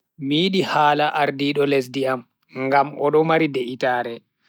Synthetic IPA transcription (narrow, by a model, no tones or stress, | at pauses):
miːɗihaːlaʔaɾdiːɗɔles̬diam | ŋɡamɔɗɔmaɾideʔitaːɾɛ